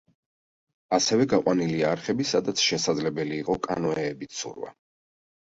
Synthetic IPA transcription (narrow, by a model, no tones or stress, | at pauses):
asɛvɛɡaqʼwaniliaɾχɛbisad̪at̪sʰʃɛsad̪zlɛbɛliːqʼɔkʼa̰nɔɛːbit̪sṵɾva̰